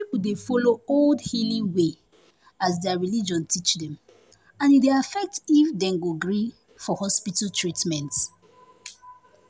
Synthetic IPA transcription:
pipuldefɔlooldhilĩwe | asdɛaɹilid͡ʒɔ̃ntit͡ʃdɛ̃m | ãnideafɛk̚tifdɛ̃nɡoɡɹi | fɔhɔspitaltʰɹitmɛ̃nt

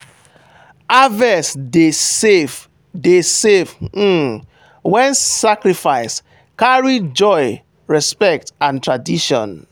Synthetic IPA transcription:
avɛsdeev | desev̩ | wɛ̃nsakɹifaɪs | kaɹid͡ʒɔɪ | ɹɛspɛk̚tãntɹadiʃɔ̰̃n

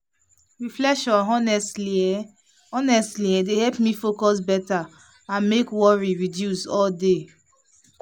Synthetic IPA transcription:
ɹiflɛʃɔ̃nɔnɛsi | ɔnɛstliɛdehɛlpmĩfokɔs̬bɛta | ãnmekwɔɹiɹidjusɔlde

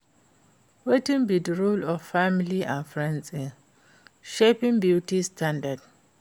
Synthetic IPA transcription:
wetĩŋbidrulɔffamiliʔãnfɹɛ̃nsi | ʃepĩŋbjutistʰãndad

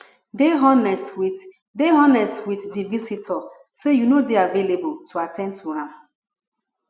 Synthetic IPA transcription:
deɦɔnɛstwi | deɦɔnɛstwiθdivisitʰɔ | sejunodeaveleboltʰuatʰɛ̃ndtʰuhãm

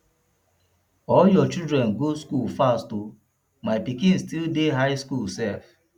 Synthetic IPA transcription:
ɔljɔt͡ʃidɾɛ̃nɡoskulfasto | maɪpikĩnstildeɦaɪskulsɛf

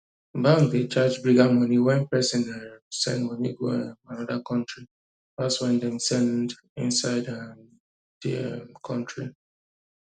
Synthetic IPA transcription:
bãŋdet͡ʃad͡ʒbɹiɡamɔniwɛ̃npɛsĩnɛsɛ̰̃ndwɛ̃niɡoanɔdakɔ̃ntɹi | daswɛ̃ndɛ̃msɛ̃nd | ḭ̃nsaɪdam | d̥ḭɛmkʰɔ̃ntɹi

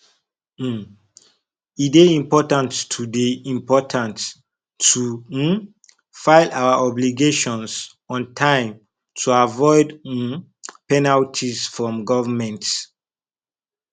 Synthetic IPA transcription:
ideĩmpɔtãntːʰudiĩmpɔtʰãntː | u | faɪlawaʔɔbliɡeʃɔ̃ns | ɔ̃ntʰãɪ̃m | tʰuavɔɪd | pɛnaltʰisfɹɔ̃mɡɔvəmɛ̃nt

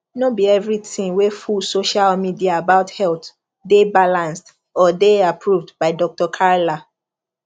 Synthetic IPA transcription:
nobiɛvɹitĩŋwefulsoʃalmidiaabaʊthɛlt | debalãnst | ɔdeapʰɹuvdbaɪdɔk̚tɔkʰaɹla

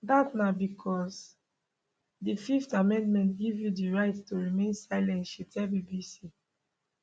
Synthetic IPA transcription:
datnabikʰɔs | dififtamɛ̃ndmɛ̃ntɡivjudiɹaɪttuɹimẽnsaɪlɛ̃ntʃitʰɛbibisi

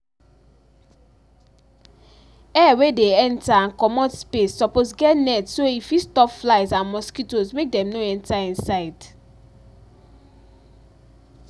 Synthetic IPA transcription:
ɛwedeɛ̃ntaãnkɔmɔ̃tspesːɔposɡɛtnɛtsoifistɔfflaɪzãnmɔskitosmek̚dɛ̃mnoɛ̃ntaĩnsaɪd

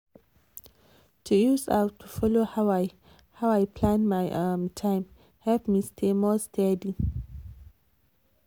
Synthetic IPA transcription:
tʰujusa̰wtʰufɔlohawaj | hawajpʰlãnmajʔãmtʰãɪ̃m | hɛlpmistʰemɔstʰɛdi

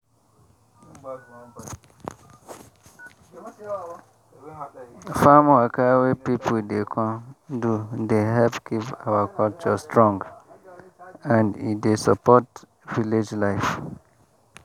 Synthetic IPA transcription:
famakawepipʰudekʰɔ̃dudeɦɛlpkʰipawakʰɔlt͡ʃɔstɹɔ̃ŋɡ | ãndḭdesɔpɔt | viled͡ʒlaɪf

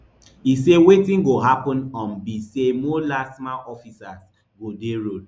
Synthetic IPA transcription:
isewetĩnɡoɦapɔ̃nɔ̃nbisemolasmaʔɔfisas | ɡodeɹo

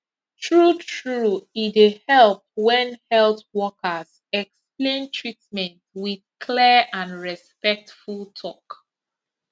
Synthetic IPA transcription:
tʰɹutʰɹuitehɛlˠp̚wɛ̃nhɛltwɔkəz | ɛksplẽntʰɹitmɛ̃ntwið̥kʰlɛʔãnɹɛspɛk̚tfulˠtʰɔk

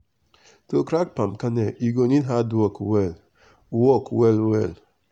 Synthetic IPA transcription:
tokɾak̚pam̩kaneʔiɡoninɦadɔkwel | wɔkwelwel

